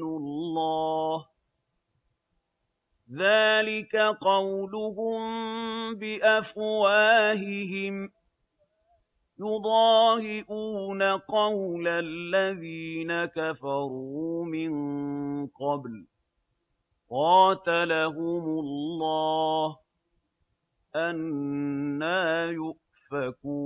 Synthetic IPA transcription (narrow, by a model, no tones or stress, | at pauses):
ʊlːɑːh | ðaːlɪkaqɑwlʊɦʊmbɪʔafwaːɦɪɦɪm | jʊd̪ˤɑːhɪʔuːnaqɑwlalːaðiːnakafɑɾˤuːmɪn | qɑbl | qɑːt̪alaɦʊmʊlːɑːh | ʔanː | aːjʊʔ | fakuː